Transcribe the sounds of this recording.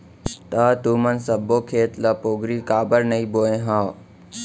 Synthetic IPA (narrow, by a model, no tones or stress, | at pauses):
t̪aːt̪uːmənsəbːoːkʰeːt̪ləpoːɡɾiːkaːbəɾnɐiːboːẽɦãː